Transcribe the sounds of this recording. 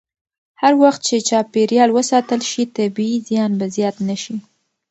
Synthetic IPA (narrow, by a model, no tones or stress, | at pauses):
haɾwaxt̪̚t͡ʃet͡ʃɑpeɾjɑlwəsɑt̪əlʃit̪abiizjɑnbazjɑt̪naʃi